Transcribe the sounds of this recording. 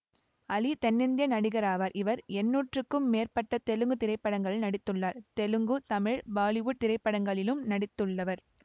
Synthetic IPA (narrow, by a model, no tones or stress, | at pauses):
ɐlit̪ɛnːɪnd̪jɐnɐɽɪɣɐɾaːʋɐɾʔɪʋɐɾɛnːuːʈrɯkːɯmːeːrpɐʈːɐt̪ɛlɯŋɡɯt̪ɪɾɐɪpːɐɽɐŋɡɐɭnɐɽɪt̪ːɯɭːaːɾt̪ɛlɯŋɡɯt̪ɐmɪɻbaːlɪʋuːʈ̚t̪ɪɾɐɪpːɐɽɐŋɡɐɭɪlɯmnɐɽɪt̪ːɯɭːɐʋɐɾ